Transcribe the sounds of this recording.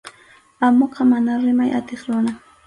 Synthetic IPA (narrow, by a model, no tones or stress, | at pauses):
amoqɑmanaɾɪmajʔa̰t̪eχɾʊna